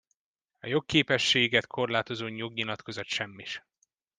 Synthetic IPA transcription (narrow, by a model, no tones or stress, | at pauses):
ɒjo̞kːeːpɛʃːeːɡɛt̪kʰo̞rlaːt̪o̞zoːɲoɡɲilɒt̪kʰo̞zɒt̪ʃɛmːiʃ